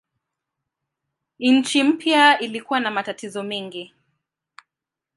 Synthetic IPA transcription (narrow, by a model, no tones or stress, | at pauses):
nɲ̩t͡ʃim̩pjailikuwanamatatizɔmɛŋɡi